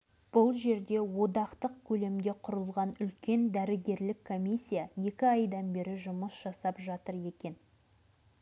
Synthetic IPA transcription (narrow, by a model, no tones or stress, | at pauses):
b̥ʊlˠʒe̞ɾd̪e̞wo̞d̪ɑqt̪əq̚kʲʰɵle̞md̪e̞qʰʊɾəlˠʁɑnʏlkʲe̞nd̪æɾɪɡʲe̞ɾlɪkʰːo̞mʲisʲːijaje̞kʲɪɑjd̪ɑnbe̞ɾɪʒʊməsʒ̥ɑsɑpʒɑt̪əɾe̞kʲe̞n